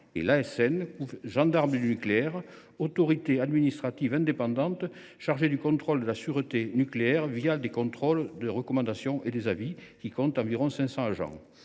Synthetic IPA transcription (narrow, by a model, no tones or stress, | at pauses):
ḛlaɛsɛnkuvʒɑ̃d̪aʁməd̪ynykleɛʁ | ot̪ɔʁit̪ead̪minist̪χat̪ivɛ̃nd̪epɑ̃d̪ɑ̃nt̪ | ʃaʁʒed̪ykɔ̃t̪χɔld̪əlasyʁət̪enykleɛʁvijad̪ekɔ̃t̪χɔld̪əʁəkɔmɑ̃d̪asjɔ̃ʔed̪ezavikʲikɔ̃nt̪ɑ̃viʁɔ̃sɛ̃sɑ̃aʒɑ̰̃